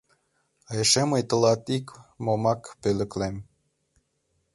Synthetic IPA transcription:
ɑjeʃemɤjt̪ə̆lɑt̪ikmomɑkpølɘ̆klem

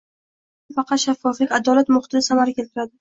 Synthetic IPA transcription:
fɑqɑt̪ʃafːɒflɪkʲad̪ɒlat̪mʊχt̪ɪnɪsamaɾakʲʰe̞lt̪ɪɾad̪ɪ

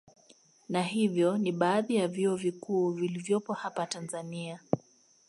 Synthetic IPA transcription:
naɦivjɔniɓaːðijavjiɔvikuːvilivjɔpɔhapatanzania

